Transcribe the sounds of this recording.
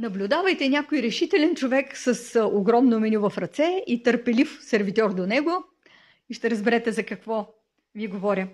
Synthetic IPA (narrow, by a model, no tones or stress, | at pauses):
nɐblʲʊd̪avɐjt̪ɛnʲakojɾɛʃit̪ɛlʲɛnt͡ʃovɛksəsoɡɾɔmnomɛnʲuvɐfɾɐt̪sɛit̪əɾpɛlifsɛɾvit̪ʲɔɾd̪onɛɡo | iʃt̪ɛɾəzbɛɾɛt̪ɛzɐkɐkvɔ | viɛɡovɔɾʲə